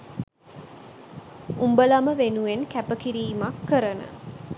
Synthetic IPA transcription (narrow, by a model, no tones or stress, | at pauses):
umbəlaməʋenuʋenkæpəkiɾiːmakːəɾənə̰